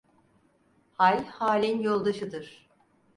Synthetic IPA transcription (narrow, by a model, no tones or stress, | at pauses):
halʲhaːlʲinjolˠd̪aʃɯd̪ɯɾ̥